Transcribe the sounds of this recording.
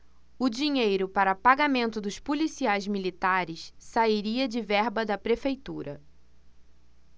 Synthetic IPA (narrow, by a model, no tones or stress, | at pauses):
ʊd͡ʒiɲejɾʊpaɾɐpaɡamẽnt̪ʊd̪ʊspulisiajzmilit̪aɾɪssaiɾiɐd͡ʒɪvɛɾbɐd̪ɐpɾefejt̪uɾɐ